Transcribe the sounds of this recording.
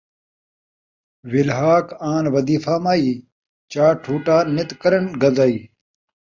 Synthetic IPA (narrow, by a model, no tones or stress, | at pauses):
wilɦaːkaːnwɐd̪iːfaːmaːiː | t͡ɕaːʈʰuːʈaːnit̪kɐɾɐnɡɐzaːiː